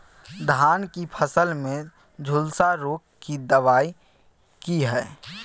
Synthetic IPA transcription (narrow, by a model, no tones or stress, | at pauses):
d̪ʱaːnkipʰəsəlmẽ | d͡ʒʱʊlsaɾoːkːid̪əʋaːi | kiɦɛː